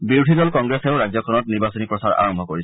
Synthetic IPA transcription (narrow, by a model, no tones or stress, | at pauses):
biɹudʱidɔlkɔŋɡɹeseʊɹazɔkʰɔnɔtniɹbasɔnipɹɔsaɹa̰ɹɔmbʱɔkoɹis